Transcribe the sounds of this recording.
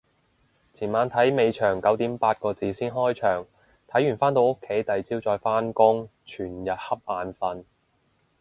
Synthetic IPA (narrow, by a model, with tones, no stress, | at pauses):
t͡sʰiː˨˩maː˨˧nt̪ʰɐ˨˥jme˨˧jt͡ʃʰœː˨˩ŋkɐ˨˥wt̪iː˨˥mpaː˧t̚kɔː˧t͡siː˨˧siː˥nɦɔː˥jt͡ʃʰœː˨˩ŋ | t̪ʰɐ˨˥jyː˨˩nfaː˥nt̪o˧wʊ˥kʰːe˨˥jt̪ɐ˨jt͡siː˥wt͡sɔː˧jfaː˥nkʊ˥ŋt͡ʃʰyː˨˩njɐ˨t̚hɐ˥p̚ʔaː˧nfɐ˧n